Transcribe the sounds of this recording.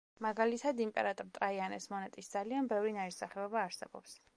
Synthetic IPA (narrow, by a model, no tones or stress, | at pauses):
maɡalit̪ʰad̪impʼɛɾat̪ʼɔɾt̪ʼɾaianɛsmɔnɛt̪ʼisd̪z̥alianbɛvɾinaiɾsaχɛɔbaːɾsɛ̰bɔ̰ps